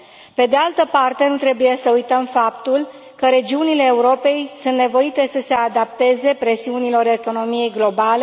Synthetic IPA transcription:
pe̞d̪ealt̪əpart̪e̞nut̪ɾe̞buje̞səujt̪əmfap̚t̪ul | kəɾe̞d͡ʒiunile̞ːuɾo̞pe̞jsunt̪ne̞vo̞it̪e̞səse̞ad̪ap̚t̪e̞ze̞pɾe̞siunilo̞ɾe̞ko̞no̞mije̞jɡlo̞bale̞

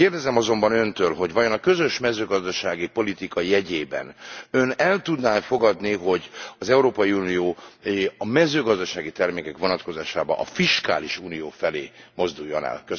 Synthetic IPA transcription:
keːrd̪ɛzɛmɒzo̞mbɒnø̞nt̪øːlɦo̞ɟʋɒjo̞nɒkø̞zø̞ʃmɛzøːɡɒzd̪ɒʃaːɡipo̞lit̪ikɒjɛɟeːbɛ̰nø̞nɛlt̪ud̪naːfo̞ɡɒd̪niɦo̞ɟɒzɛuɾoːpɒjiuːnioːɒmɛzøːɡɒzd̪ɒʃaːɡit̪ɛrmeːkɛkʋo̞nɒt̪ko̞zaːʃaːbɒ̰ʔɒfiʃka̰ːliʃuːnijoːfɛleːmo̞zd̪ujːo̞nɛ̰lkø

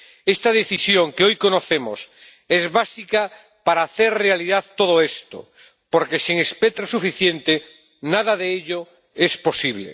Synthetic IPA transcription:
est̪að̞eθisjoŋkeojkonoθemos | ezβasika | paɾaːθeɾrealiðaðt̪oðoest̪o̰ | poɾkesiŋespet̪ɾosufiθjent̪e | naðaðeeʎo | esposiβlḛ

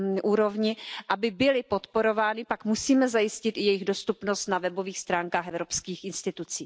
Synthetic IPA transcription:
ʔuːɾo̞vɲɪʔabɪbɪlɪpo̞t̪poɾo̞vaːnɪpakmusiːmɛzajɪscɪt̪ɪjɛjɪɣdo̞st̪upno̞st̪navɛbo̞viːxst̪ɾaːŋkaːxʔɛvɾo̞pskiːxʔɪnst̪ɪt̪ut͡siː

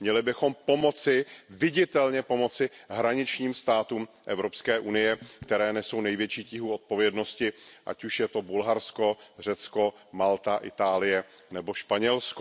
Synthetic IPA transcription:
mɲɛlɪbɪxo̞mpo̞mo̞t͡sɪvɪɟɪt̪ɛlɲɛpo̞mo̞t͡sɪɦɾaɲɪt͡ʃɲiːmst̪aːt̪uːmʔɛvɾo̞pskɛːʔunɪjɛkt̪ɛɾɛːnɛso̞wnɛjvjɛt͡ʃiːcɪɦuːo̞t̪̚po̞vjɛdno̞scɪʔa̰cuʃjɛt̪o̞bulɦaɾsko̞r̝ɛt͡sko̞ | malt̪aʔɪt̪aːlɪjɛnɛbo̞ʃpaɲɛlsko

